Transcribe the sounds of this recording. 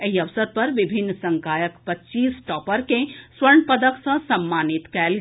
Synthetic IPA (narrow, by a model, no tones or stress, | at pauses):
eɦiɐʋsəɾpɐɾʋɪbʱɪnːsɐ̃ŋkaːjəkpɐtːt͡ʃiːsʈɔːpəɾkẽswəɾɳpəd̪əksɐ̃sɐmːaːnɪt̪kɛːl